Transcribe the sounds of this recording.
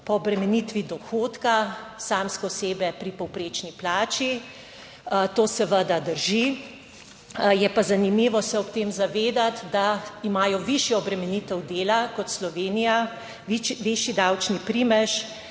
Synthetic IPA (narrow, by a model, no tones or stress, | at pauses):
pɔːbɾɛmɛnit̪ʋid̪ɔxoːt̪kasaːmskɛɔseːbɛpɾipɔwpɾeːt͡ʃniplaːt͡ʃi | t̪oːsɛʋəd̪ad̪əɾʒi | jɛpazanimiʋɔsɛɔpt̪eːmzaʋeːd̪at̪d̪aimaːjɔʋiʃjɛɔbɾɛmɛnit̪ɛwd̪eːlakɔt̪slɔʋeːnija | ʋeʃjid̪awt͡ʃnipɾiːmɛʃ